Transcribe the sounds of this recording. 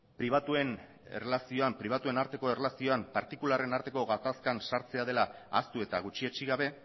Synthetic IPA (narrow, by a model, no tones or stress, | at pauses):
pɾiβ̞at̪ue̞n | e̞̰relasio̞ampɾiβ̞at̪ue̞naɾt̪e̞ko̞e̞relasio̞ampaɾt̪ikulare̞naɾt̪e̞ko̞ɣat̪askansaɾt͡se̞að̞e̞laa̰st̪ue̞t̪aɣut͡ʃiet͡ʃiɣaβe̞